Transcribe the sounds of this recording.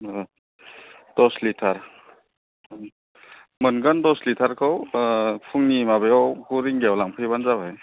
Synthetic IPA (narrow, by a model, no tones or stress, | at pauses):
d̥ɔslitʰaɾ | mɯnɡandɔslitʰaɾkʰawpʰuŋnimabejawkuɾiŋɡawlaŋpʰɯjbanzabaj